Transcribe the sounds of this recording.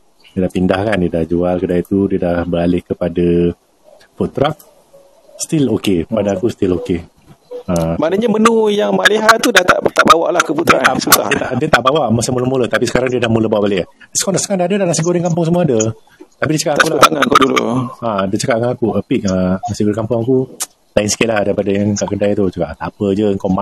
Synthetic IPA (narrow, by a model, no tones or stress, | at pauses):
diədahpindahkandiədahd͡ʒualkədait̪udiədahbəɾalɪhkəpada | fɔt̪ɾak̚ | st̪ilokeəpadakust̪iloke | amaʔnaɲamənujaŋmaliɦat̪ːudat̪a̰ʔt̪aʔbawa̰ʔlahkəput̪ɾa̰ʔasusa̰hdət̪aʔdiət̪aʔbawaʔməsəmuləmulət̪apisə̥kaɾaŋdiədahmuləbawaʔbaliasə̥kandaʔsə̥kaŋdaadədalasiɡoɾɪŋkampʊŋs̬əmuaadə | t̪apidiət͡ʃəkaʔaakulat̪aŋankudulṵãdət͡ʃəkaʔkanakuəpɪk̚əasiɡoɾikampʊŋaku | laɪnsə̥kɪt̪lahdaipadajaŋkaʔkədajt̪ut͡ʃukaʔt̪apəd͡ʒəəŋkawma